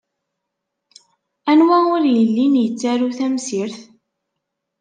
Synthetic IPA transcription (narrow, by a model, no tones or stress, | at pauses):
ænwæʊɾjəlːinjət͡sːaɾuθæmsiɾθ